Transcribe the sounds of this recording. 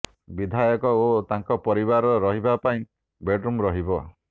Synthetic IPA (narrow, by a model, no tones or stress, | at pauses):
bid̪ʱajɔkɔot̪aŋkɔpɔɾibaɾɔɾɔɦibapaĩ | beɖɾumɾɔɦibɔ